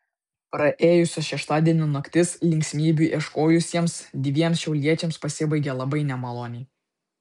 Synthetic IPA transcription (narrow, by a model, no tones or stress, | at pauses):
pɾɐʔeːjʊsʲoʃʲɛʃt̪ɑːd̪ʲiɛnʲunokt̪ʲɪslʲɪŋʲkʲsʲmʲiːbʲuʔɛʃkoːjʊsʲiɛmsd̪ʲʋʲiɛmsʃʲɛʊlʲiɛt͡ʃʲɛmspɐsʲɪbɐɪɡʲɛlˠɐbɐɪnʲɛmɐlˠoːnʲɛɪ